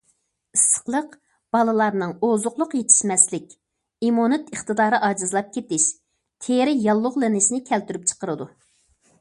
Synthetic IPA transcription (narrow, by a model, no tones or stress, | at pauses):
isə̥qlˠəq | b̥ɑlˠɨlˠɑɾnɨŋozʊqlˠʊqjet̪ʰɪ̥ʃmɛslɪkʲ | imonɨt̪əχt̪ɨd̪ɑːɾɨʔɑːd͡ʒɨzlˠɑp̚kʲʰet̪ɪʃ | t̪ʰeɾɪjɑlˠːʊʁlˠɪnɪʃinɪkʲʰɛlt̪yɾyp̚t͡ʃʰə̥qəɾɨd̪u